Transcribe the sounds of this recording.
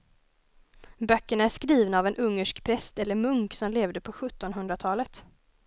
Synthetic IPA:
bœkːəɳaæʂkɾiːvnaːvɛnʔɵŋːəʂkpʰɾɛst̪ɛlːəɾmɵŋksɔmleːvd̪əpʰɔɧɵt̪ːɔnɦɵnd̪ɾat̪ʰɑːlət̪

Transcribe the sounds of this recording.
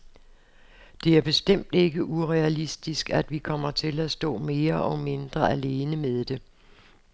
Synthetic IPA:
d̥e̝æɐb̥e̝sd̥em̰d̥e̝ɡ̥əʔuʁɛælisd̥isɡ̥æd̥ʋikʰɒ̽m̰ɐt͡sʰe̝læsd̥ɔ̰̽ːme̝ːɐʔɒ̽me̝nd̥ʁɐæle̝ːnəmeðˠd̥e̝

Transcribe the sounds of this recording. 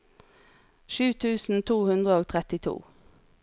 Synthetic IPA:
ʃʉːt̪ʰʉːsn̩t̪ʰuːhʉnd̪ʁəoːɡt̪ʰʁɛt̪ɪt̪ʰṵː

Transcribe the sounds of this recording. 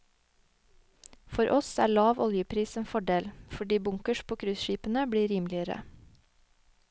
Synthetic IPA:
fɔɾʔɔsæ̰ːɭɑːʋʔɔljəpʰɾiːseːnfɔɖeːlfɔɖiːbʊŋkəʃpʰoːkʰɾʉsʃiːpən̩əbɽiːɾiːmlɪəɾə̰

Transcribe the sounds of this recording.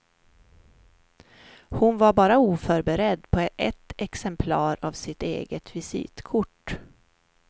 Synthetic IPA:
hʊnvaɾbɑːɾauːfœɾbɛɾɛd̪ːpʰɔɛt̪ɛksɛmpʰlɑːɾavsɪt̪ḛːɡət̪vɪsḭːt̪kʰʊʈː

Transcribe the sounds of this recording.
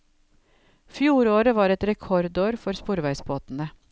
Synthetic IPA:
fjuːɾoːɾəʋɑːɾɛt̪ɾɛkʰɔɾd̪oːɾfɔɾspuːɾʋæɪsboːt̪n̩ə

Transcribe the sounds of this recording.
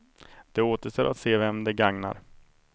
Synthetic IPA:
d̪̥ɛoːt̪əʂt̪ɛːɾʔat̪seːvɛmd̪ɛɡaŋna̰ɾ

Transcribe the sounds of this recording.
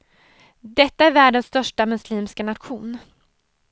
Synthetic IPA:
d̪ɛt̪ːaæɾvæːɖənsːt̪œʂʈamɵsliːmskanat̪ɧuːn

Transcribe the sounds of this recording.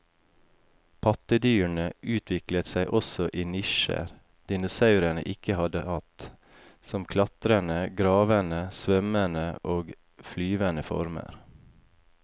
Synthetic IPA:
pʰɑt̪əd̪yːɳəʔʉːt̪ʰʋɪklət̪sæɪʔɔsɔʔiːnɪʃə̰ɾ | d̪̥ɪnʊsɑʉɾæɳə̰ʔɪkəhɑd̪əhɑt̪ | sɔmkʰlɑt̪ɾənəɡɾɑːʋənəsʋœmənəʔoːɡ | flyːʋənəfɔ̰ɾmə̰ɾ

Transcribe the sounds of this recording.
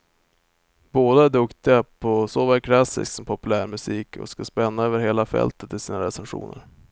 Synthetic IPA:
boːd̪aæɖɵkt̪ɪapʰɔsoːvaɾkʰlasɪ̰sksɔmpʰɔpɵlæːɾmɵsiːkʰɔ̰skaspɛnːaøːvəɾheːlafɛ̰lt̪ət̪ːɪsiːnaɾɛsɛnɧṵːnə̰ɾ

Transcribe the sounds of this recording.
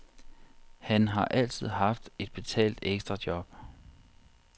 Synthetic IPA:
hænɦɑ̈ʔæl̰t͡sʰið̞̰ˠɦɑ̈fd̥e̝d̥̚b̥e̝t͡sʰɛ̰ːld̥eɡ̥sd̥ʁɐd̥jɒ̽b̥

